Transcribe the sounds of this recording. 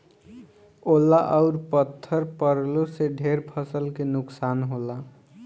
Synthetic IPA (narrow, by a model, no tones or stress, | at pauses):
olːaʔəʊɾpət̪ʰːəɾpəɾloseɖʱeɾpʰəsəlkenʊksanɦola